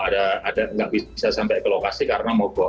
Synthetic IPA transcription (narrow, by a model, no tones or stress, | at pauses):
adaadaŋɡaʔbibisasampɛkəlokasikaɾənamɔɡɔ